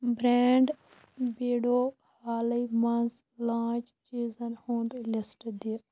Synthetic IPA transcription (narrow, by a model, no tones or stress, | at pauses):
bɾeːɳɖ | beːɽoː | haːlɐimɐnz | lãːt͡ʃ | t͡ʃiːzɐnhũːnd̪lɐsʈd̪i